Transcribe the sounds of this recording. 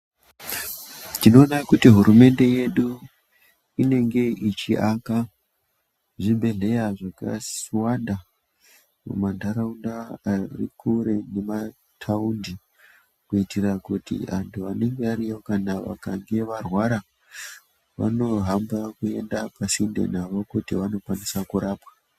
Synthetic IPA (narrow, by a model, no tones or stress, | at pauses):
tino̞ːnakutiɦuɾume̞nde̞je̞ɗu | ine̞ŋɡe̞ʔit͡ʃiʔaka | ʐimbe̞ɮe̞jaʐaka̰swanda | mṵmandʱaɾaundaːrḭkʰuɾe̞ne̞ma | tʰaundi | kuitirakutḭa̰ntʰuane̞ŋɡeaɾijokanaʋa̰kaŋɡe̞ʋarwaɾa | ʋa̰no̞ɦambakue̞̰ndapasinde̞̰naʋo̞kutiʋano̞kwanisakuɾaːpwa